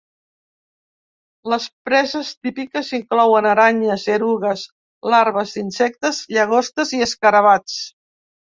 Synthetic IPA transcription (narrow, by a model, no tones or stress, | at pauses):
ləspɾɛzəst̪ipikəziŋklɔwənəɾaɲəzeɾuɣəz | laɾβəzinsɛk̚t̪əzʎəɣ̞ost̪əziəskəɾəβat͡s